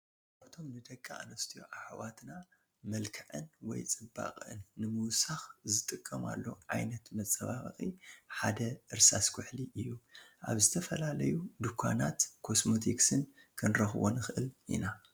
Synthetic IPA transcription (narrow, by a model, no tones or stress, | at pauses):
ʔaβt̪ʰo̞mnɨd̪ɐkʼːaʔnɐst̪ʰijo̰ʕaħwat̪na | mɐlkʰɨʕɨ̰nwɔ̰jt͡sʼɨba̰kʼɨ̰nːɨmɨwsaxzɨt̪ʼɨkʼːɐma̰lːo̞̰ʕajnɐt̪mɐt͡sʼːɐβaβɐxʼiħad̪ɐʔɨɾsaskʰʊħliʔɨjːuʔa̰βzɨt̪ʰɐfɐlalɐjud̪ukʷʰːa̰nat̪kʰo̞smot̪ʰiksɨn | kʰɨnɾɐxwo̰nɨxɨʔɨlʔḭna